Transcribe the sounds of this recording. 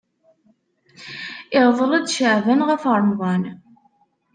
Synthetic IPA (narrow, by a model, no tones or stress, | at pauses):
ɪʁðˤələd̪ʃəʕðənʁəfəɾˤnʁˤɑn